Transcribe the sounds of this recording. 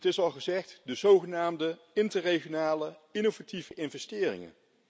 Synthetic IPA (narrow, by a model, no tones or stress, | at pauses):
ətɪsɑlˠχəzɛχtdəzowχənaːmdə | ɪntərejχjonaːləɪnovativəʔɪnvɛstɪːrɪ̰ŋə̰n